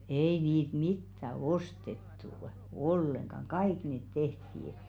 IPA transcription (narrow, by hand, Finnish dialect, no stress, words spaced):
ei niːt mitːæ ostetːu olːeŋkɑŋ kɑik neˑt tehtiː